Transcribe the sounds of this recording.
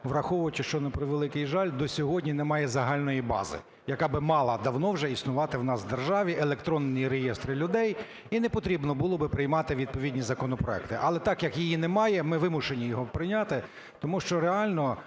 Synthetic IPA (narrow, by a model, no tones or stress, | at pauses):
ʋrɐxɔʋʊʋɐt͡ʃɪʃt͡ʃɔnɛpɾɔʋelˠɪkɪjʒɑlʲd̪ɔsʲɔɦɔdʲnʲinɛmɑjɛzɐɦɑlʲnɔjibɑ̰zɪ̰ | jɐkɑbɪmɑlˠɐd̪ɐwnɔwʒɛisnʊʋɑt̪ɪwnɑsʋd̪erʒɑʋʲiʔelˠekt̪ɾɔnːɪjiɾejest̪ɾɪlʲʊd̪ɛj | inɛpɔt̪ɾʲibnɔbʊlˠɔbɪpɾɪjmɑt̪ɪʋʲid̪̚pɔʋʲidʲnʲizɐkɔnɔpɾɔɛ̰kt̪ɪʔɐlˠɛt̪ɑkjɐkjijinɛmɑjɛmɪʋɪmʊʃenʲijɔɦɔpɾɪnʲat̪ɪ | t̪ɔmuʃt͡ʃɔɾeɑlʲnɔ